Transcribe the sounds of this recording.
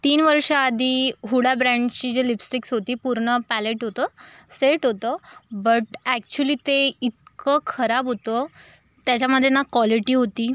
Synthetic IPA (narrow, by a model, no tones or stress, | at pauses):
t̪iːnʋəɾʂəːd̪ʱiːɦuɽabɾãɳɖt͡ɕiːd͡ʑelipsiksɦot̪iːpuɾɳəpæleʈɦot̪əseʈɦot̪əbəʈæk̚t͡ɕuliːt̪eit̪̚kəkʰəɾabɦot̪ə | t̪jat͡ɕaməd̪ʱːjenakʋɔliʈiːɦot̪iː